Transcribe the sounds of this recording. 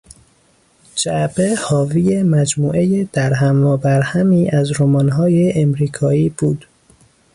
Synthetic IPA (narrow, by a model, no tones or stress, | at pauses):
d͡ʒæʔbehɒːvijemæd͡ʒmuːʔejed̪̥æɾɦæmvɒːbæɾhæmiːʔæzɾomɒːnɦɒːjeʔemɾiːkʰɒːiːb̥uːd̪̥